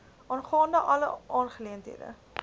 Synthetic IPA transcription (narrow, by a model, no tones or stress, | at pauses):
ʔɑːnχɑːndəʔɐləʔɑːnχəliəntɦḭədə̰